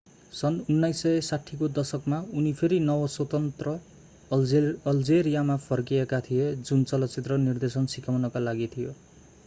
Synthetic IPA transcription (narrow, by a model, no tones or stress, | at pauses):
sʌnunːajsːʌsaʈʰːikod̪ʌsʌkmaunipʰeɾinʌwʌswʌt̪ʌnt̪rʌ | ʌld͡zeɾijamapʰʌrkiekat̪ʰijed͡zunt͡sʌlʌt͡sit̪rʌnird̪esʌnsikawnʌkalaɡit̪ʰijo